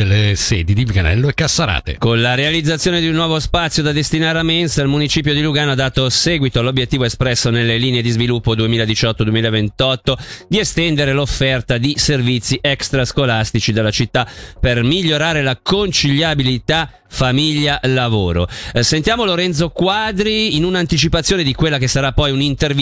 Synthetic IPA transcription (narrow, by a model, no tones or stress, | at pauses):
elːesɛːd̪id̪ivikanɛ̰lːoekːasːaɾa̰ːt̪ḛkonlaɾealid̪zːat̪sjoːned̪iunːwɔːvospat̪sːjod̪ad̪est̪inaːɾeamːensalmunit͡ʃiːpjod̪iluɡaːnoad̪ːaːt̪osɛːɡwit̪oalobjet̪ːiːvoespɾɛsːonelːeliːneed̪izvilupːod̪uemiːlad̪it͡ʃɔt̪ːod̪uemiːlaevent̪ɔt̪ːod̪iest̪ɛnd̪eɾelofːɛrt̪ad̪iservit̪sːiʔɛkst̪ɾaskolast̪it͡ʃid̪elːat͡ʃit̪ːapermiʎːoɾaːɾelakont͡ʃiʎːabilit̪a | famiʎːalavoːɾo̰sent̪jaːmoloɾɛnt̪sokwad̪ɾiːnunant̪it͡ʃipat̪sjoːned̪ikwelːakesaɾapːɔjunint̪erv